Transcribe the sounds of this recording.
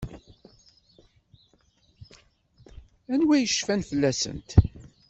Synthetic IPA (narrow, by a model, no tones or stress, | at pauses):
ænwæjəʃfænfəlːæsə̰nt̪